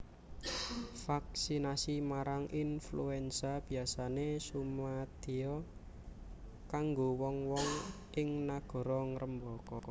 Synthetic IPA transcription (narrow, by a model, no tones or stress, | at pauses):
faksinasimaɾaŋʔinfluɛnsab̥i̤asanesumad̪̥e̤ɔ | kaŋɡowɔŋwɔŋ | ʔɪŋnaɡ̥ɔ̤ɾɔŋɾəmbɔkɔ